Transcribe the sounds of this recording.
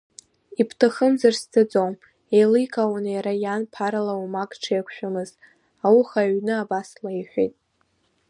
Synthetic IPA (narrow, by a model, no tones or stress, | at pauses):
ipʰtʰaχəmzarst͡sʰʼɨd͡zom | ejlɨjkʰʼawanajaɾajanpʰaɾalawumakʼʈ͡ʂʰajakʷʰʃᶣamɨz̥ | awuχaɥnɨabaslaiħʷᶣejtʼ